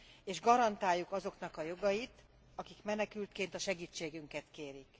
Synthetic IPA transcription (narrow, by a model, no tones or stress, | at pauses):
eːʒɡɒɾɒnt̪aːjːukɒzo̞kn̪ɒkɒjo̞ɡɒjit̪ | ɒkikmɛnɛkylt̪keːnt̪ɒʃɛɡiːt͡ʃːeːɡyŋkɛt̪keːɾik